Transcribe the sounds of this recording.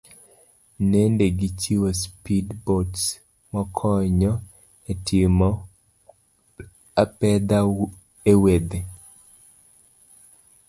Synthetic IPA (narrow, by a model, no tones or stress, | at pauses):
nendeɡit͡ʃiwospidbots | mɔkʰɔɲɔ | etʰɪmɔ | apɛd̪a | ewed̪e